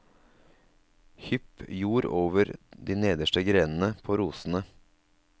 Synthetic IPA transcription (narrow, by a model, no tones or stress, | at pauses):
hʏpjuːɾoːʋəɾd̪iːneːd̪əʃʈəɡɾeːnn̩əpʰoːɾuːsn̩ə